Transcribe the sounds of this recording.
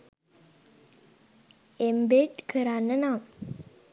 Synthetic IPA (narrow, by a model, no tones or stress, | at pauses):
embeʈkʰəɾanːənaːm